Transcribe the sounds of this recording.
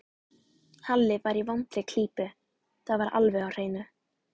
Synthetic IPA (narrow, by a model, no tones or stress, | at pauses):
halːɪvaɾivant̪ɾɪkʰl̥iːpʏ | θavaɾʔa̰lvɛɣawr̥eːjnʏ